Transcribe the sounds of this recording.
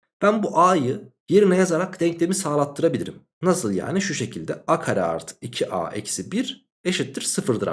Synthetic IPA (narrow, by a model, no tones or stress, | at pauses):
b̥ænbuʔaːjɯ | je̞ɾinɛjazaɾak̚d̪ɛɲclʲemisaːlˠat̪ʰːɯɾabilʲiɾim | nasɯlˠja̰ːniʃuʃe̞cʰilʲd̪ɛakʰaɾɛa̰ɾt̪ʰɯ̥icʰiʔa̰ːʔɛ̰csibiɾ | e̞ʃit̪ːiɾsɯfɯɾd̪ɯɾa